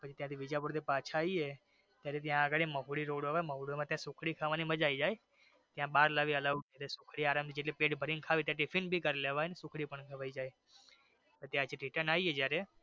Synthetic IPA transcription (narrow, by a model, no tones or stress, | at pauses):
pət͡ʃet̪jãt̪ʰiʋɪd͡ʒapʊɽt̪ipaːt͡ʃʰaːie | t̪jaːɾet̪ɪjãːɡəɽeməɦuɽiɾoːɽəʋaeməɦuɽemãt̪jãsʊkʰɽikʰaʋãniməd͡ʒaid͡ʒaːe | t̪jãɓaːɾlaʋiələʋet̪esʊkʰɽiaːɾaːmt̪ʰid͡ʒeʈlepeːʈbʱəɾĩŋkʰaːʋit̪jãʈ̬ɪfʰinbʱikəɾleʋaenesʊkʰɽipəɳɡʰʱəʋaːid͡ʒaːe | pət̪jãt͡ʃʰiʈiʈənaːiɦed͡ʒjaːɾe